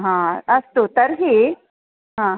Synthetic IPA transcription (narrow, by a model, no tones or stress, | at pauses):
ɦãəst̪ot̪əɾɦi | ɦã